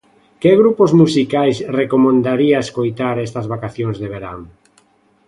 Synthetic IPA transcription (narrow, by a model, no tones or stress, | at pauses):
keɣɾupozmusikajsrekomẽnd̪aɾiaeskojt̪aɾɛst̪ɐzβakaθjoŋzðeβeɾa̰ŋ